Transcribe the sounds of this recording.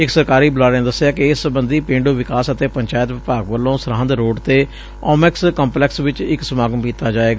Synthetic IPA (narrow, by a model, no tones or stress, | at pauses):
ɪksəɾkaːɾiːbʊlaːɾãd̪əsːɪjaːkɪɪsbənd̪iːpẽːɳɖoːʋɪkaːsət̪eːpəɲt͡ʃaːjɪt̪ʋɪpaːɡʋəlːõːsəɾãːnd̪ɾoːɖt̪eː | ɔːmɛkskəmplɛːksʋɪt͡ʃɪksəmaːɡəmkiːt̪aːd͡ʒaːʋeːɡaː